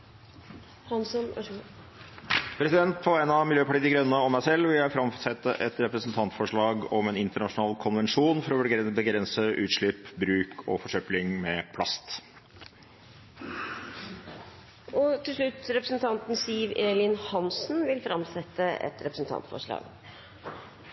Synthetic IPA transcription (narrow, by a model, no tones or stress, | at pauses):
hɑns | pʰɾɛsɪd̪ɛnt̪fɔɛnɑmɪljøːpɑʈiːd̪ɪɡɾœnːəɔmːæɪsɛlːʋɪljæɪfɾɑmsɛt̪ːəʔɛt̪ɾɛpɾəsnt̪ʰɑnt̪fɔʂɭɑːɡɔmɛnɪnt̪əɳɑʂʊnɑːlkʰʊnʋɛnʂuːnfɔɾɔbbəɡɾɛnsəʔʉ̰ːt̪ʂɭɪpːbɾʉːkʰɔ̰fɔʂœplɪŋmɛpʰlɑst̪ | ʔɔt̪ʰɪlʂɭʉt̪ːɾɛpɾəsn̩t̪ʰɑnt̪n̩siːʋeːlɪnhɑnsn̩ʋɪlfɾɑmsɛt̪ːəʔɛ̰t̪ɾɛpɾəsn̩t̪ʰɑ̰nt̪fɔ̰ʂɭɑ̰ːɡ